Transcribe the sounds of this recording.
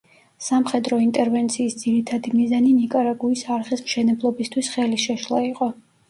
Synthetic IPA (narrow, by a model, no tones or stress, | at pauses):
samχɛd̪ɾɔint̪ʼɛɾvɛnt̪sʰiːsd̪ziɾit̪ʰad̪imizaninikʼaɾaɡuisaɾχismʃɛnɛblˠɔbist̪ʰwisχɛliʃɛʃlˠa̰iqʼɔ